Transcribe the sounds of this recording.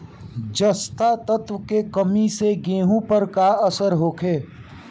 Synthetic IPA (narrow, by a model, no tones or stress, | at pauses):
d͡ʒəst̪at̪ət̪wəkekəmiseɡẽːɦũpəɾkaəsəɾɦoːkʰeː